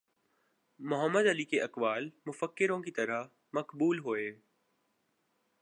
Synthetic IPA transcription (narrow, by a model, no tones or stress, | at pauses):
mʊɦəmːəd̪ɦəliːkeʔɐkʋaːlmʊfəkːɪɾõkit̪ɐɾə | mɐkbuːlɦoeː